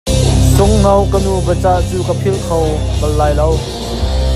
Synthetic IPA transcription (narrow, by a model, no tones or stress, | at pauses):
t͡sʊŋnɐwkənubət͡saʔt͡suːkəpʰilkʰowkɐlːaːjlɐw